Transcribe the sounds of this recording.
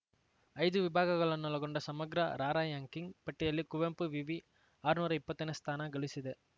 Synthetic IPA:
ɐɪðɯʋɪbʱaːɣɐɣɐɭɐnːɐːlɐkɔɳɖɐsɐmɐɡɾɐɾaːɾaːjaːŋkɪŋpɐʈːɪjɐlːikʊʋɐmpɯʋiʋi | aːɾɯnuːɾɐɪpːɐt̪ːɐnɐst̪ʰaːnaːɡɐɭɪsɪðɯ

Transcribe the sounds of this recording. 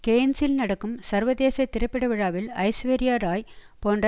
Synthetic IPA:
keːnsɪlnɐɽɐkːɯmsɐɾʋɐðeːsɐɪt̪ːɪɾɐpːɪɽɐʋɪɻaːʋɪlɐ̰ɪsʋeːɾɪjaːɾaːj | poːndrɐ

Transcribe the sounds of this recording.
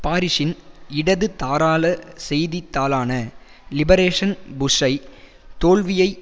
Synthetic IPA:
paːɾɪʂɪnɪɽɐðɯt̪aːɾaːlɐsɛjðit̪ːaːlaːnɐ | lɪbɐɾeːʂɐnbʊʂɐɪ | t̪oːɭʋɪjɐɪ

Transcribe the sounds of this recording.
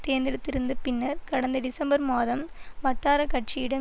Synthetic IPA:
t̪eːnd̪ɪɽɯt̪ːɪɾɯnd̪ɯpɪnːɐɾkɐɽɐnd̪ɐɖɪsɐmbɐɾmaːðɐmʋɐʈːaːɾɐkɐʈt͡ʃijɪɽɐm

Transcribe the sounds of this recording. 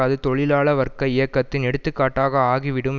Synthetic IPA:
ɐðɯt̪ɔɭɪlaːɭɐʋɐɾkɐɪjɐkːɐt̪ːɪnɛɽɯt̪ːɯkːaːʈːaːɣɐaːɣiʋɪɽɯm

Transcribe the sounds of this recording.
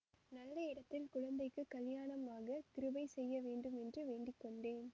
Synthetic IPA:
nɐlːɐɪɽɐt̪ːɪlkʊɻɐnd̪ɐɪkːɯkːɐljaːɳɐmaːɣɐt̪ɪɾɯbɐɪsɛjːɐʋeːɳɖɯmɛndrɯʋeːɳɖɪkːɔɳɖeːn

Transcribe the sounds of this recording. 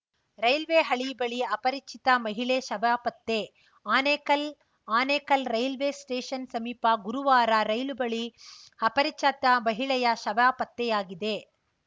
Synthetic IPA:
ɾɐjlʋeːɦɐɭibɐɭiɐpɐɾit͡ʃʰit̪ɐmɐɦiɭeʃɐbjaːpɐt̪ːe | aːneːkɐl | aːneːkɐlɾɐjlʋeːsʈeːʃɐnsɐmiːpɐɡuɾuʋaːɾɐɾɐjlubɐɭiɐpɐɾit͡ʃɐt̪ɐmɐɦiɭɐjɐʃɐbɐjaːpɐt̪ːɛjaːɡid̪e

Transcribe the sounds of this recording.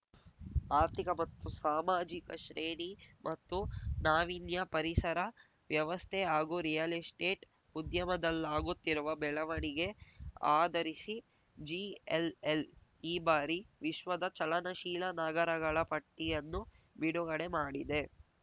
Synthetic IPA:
aːɾt̪ʰikɐmɐt̪ːusaːmaːd͡ʒikɐʃɾeːɳimʔɐt̪ːunaːʋinjɐpɐɾisɐɾɐ | ʋjɐʋɐst̪ʰɛaːɡuɾijɐlisʈeːʈ | ud̪jɐmɐd̪ɐlːaːɡut̪ːiɾuʋɐbɛɭɐʋɐɳiɡe̞aːd̪ɐɾisi | d͡ʒiːeleliːbaːɾiʋiʃʋɐd̪ɐt͡ʃɐlɐnɐʃiːlɐnaːɡɐɾɐɡɐɭɐpɐʈːijɐnːu | biɽuɡɐɽe̞maːɽid̪e̞

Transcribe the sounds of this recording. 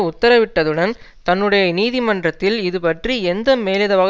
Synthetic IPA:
ʊt̪ːɐɾɐʋɪʈːɐðɯɽɐn | t̪ɐnːɯɽɐjɐniːðimɐndrɐt̪ːɪlɪðɯpɐʈriɛnd̪ɐmeːlɪðɐʋɐɣ

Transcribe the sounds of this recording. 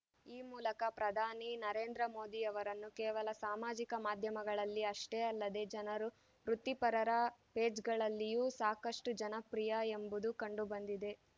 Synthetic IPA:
iːmuːlɐkɐpɾɐd̪ʱaːninɐɾeːnd̪ɾɐmo̞ːd̪iɐʋɐɾɐnːukeːʋɐlɐsaːmaːd͡ʒikɐmaːd̪ʱjɐmɐɡɐɭɐlːiɐʂʈeːɐlːɐd̪e̞d͡ʒɐnɐɾu | ɾut̪ːipɐɾɐɾɐpeːd͡ʒɡɐɭɐlːijuːsaːkɐʂʈud͡ʒɐnɐpɾijɐembud̪ukɐɳɖubɐnd̪id̪e̞

